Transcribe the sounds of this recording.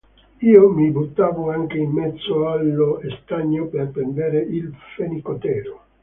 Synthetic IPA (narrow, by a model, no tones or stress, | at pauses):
iːomibut̪ːaːvoaŋk̟eimːɛt̪sːoalːoest̪aɲːoperpend̪eːɾeilfenikot̪ɛːɾo